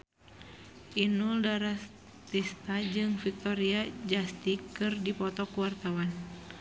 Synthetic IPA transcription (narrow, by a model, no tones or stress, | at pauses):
ʔinuldaɾa | t̪ist̪ad͡ʒɨŋfik̚t̪ɔɾiad͡ʒast̪ikːɨrdipɔt̪ɔkuwart̪awan